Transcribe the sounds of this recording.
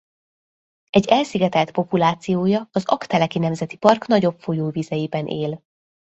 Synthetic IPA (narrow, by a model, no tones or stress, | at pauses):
ɛɟːɛlsiɡɛt̪ɛlt̪po̞pulaːt̪sijoːjɒːzɒ̰kt̪ɛlɛkinɛmzɛt̪i̥pɒrknɒɟo̞pfo̞joːvizɛjibɛnʔeːl